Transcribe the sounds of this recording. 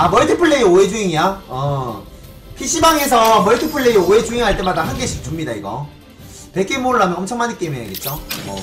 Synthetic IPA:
amʌɭtʰɯpʰɯɭːeioed͡ʑuɦiŋijaʌ | pʰiɕ͈ʰibaŋes̬ʰʌmʌɭtʰɯpʰɯɭːeioe̞d͡ʑuiŋɦaɭt͈e̞madaɦanɡeɕʰit͡ɕumɲidaiɡʌ̰ | pe̞k͈emoɾɯɭɦamjʌʌmt͡ɕʰʌŋmaɲikt͈emoɲja̰ɡe̞t̚t͡ɕ͈omʌ

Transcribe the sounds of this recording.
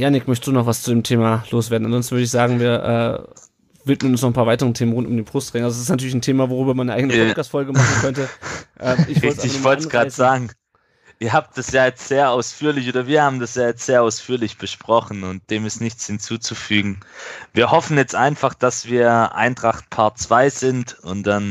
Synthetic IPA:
janɪkmœçtd̥uːnɔχvast͡sudeːmtʰeːmaloːsv̥eːɐdn̩ʔanzɔnsn̩vʏɐdəɪçz̥aːɡŋ̩viːɐʔɛ̰ː | vɪtmənʊnsnɔʁχn̩pʰaɐvaɪtəʁəntʰeːmənʁʊntʊmdeːnfʁ̥ʊstʁeːŋʔalzos̬ɪs̬tnatʰyːɐlɪçntʰeːmavoʁyːbɐmannəʔaɪɡənəpɔtkaːstfɔlɡəmaχn̩kʰœntəʔɛːmɪçvɔltɪçv̥ɔlansɡʁaːz̥aːɡŋ̩ | ʔɪːɐɦaːp̚t̚d̥asjaːjɛt͡stz̥eːɐʔaʊsfyːɐlɪçʔoːdɐviːɐhaːbm̩dasjaːjɛt͡stz̥eːɐʔaʊsfyːɐlɪçb̥əʃpʁ̥ɔχn̩ʊnt̚d̥eːmɪstnɪçt͡shɪnt͡suːt͡sufyːɡŋ̩viːɐhɔfn̩jɛt͡stʔaɪnfaχd̥asv̥iːɐʔa̰ɪntʁ̥aχt̚pʰaɐt͡sv̥aɪzɪntʊntd̥an

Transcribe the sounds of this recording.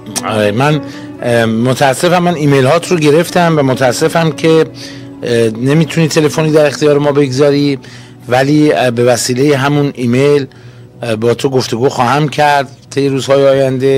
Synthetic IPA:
ɒ̰ɾemæn | mot̪ʰææsːe̞fæmːæniːme̞jlhɒːt̪ʰɾoɟe̞ɾe̞ft̪æmvæmot̪ʰææsːe̞fæmcʰe̞ | ne̞miːt̪ʰuniːt̪ʰe̞le̞fo̞niːd̪æɾe̞xt̪ijɒːɾemɒːbe̞ɡzɒːɾi | væliːbe̞væsiːle̞jeɦæmuniːme̞jl | bɒːt̪ʰoɡoft̪e̞ɡuːxɒːhæmcʰæɾd̪̚ | t̪ʰe̞jːeɾuːzhɒːjeɒːjænd̪e̞

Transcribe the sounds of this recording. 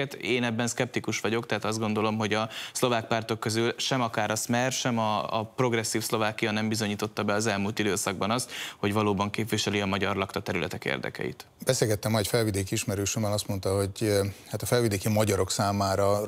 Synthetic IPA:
ɛt̪eːnɛbːɛnskɛp̚t̪ikuʃʋɒɟo̞kt̪ɛɦaːt̪ɒzd̪ɡo̞nd̪o̞lo̞mɦo̞ɟɒslo̞vaːk̚part̪o̞kːø̞zylʃɛmɒkaːɾɒsmɛrʃɛmɒ̰ːpro̞ɡrɛsːiːfslo̞vaːkijɒnɛmbizo̞ɲiːt̪o̞t̪ːɒbɛɒzɛlmult̪id̪øːsɒɡ̚bɒnɒst̪ho̞ɟvɒloːbɒŋkeːpʋiʃɛliɒmɒɟɒrlɒkt̪ɒt̪ɛɾylɛ̰t̪ɛkḛːrd̪ɛ̰kɛ̰ḭt̪ | b̥ɛseːlɡɛt̪ːɛmːɒɛcfɛlvid̪eːkiiʃmɛɾøːʃumɛnɒst̪mo̞nt̪ɒho̞ɟhaːt̪ɒfɛlvid̪eːkimɒɟɒɾo̞ksaːmaːɾɒ

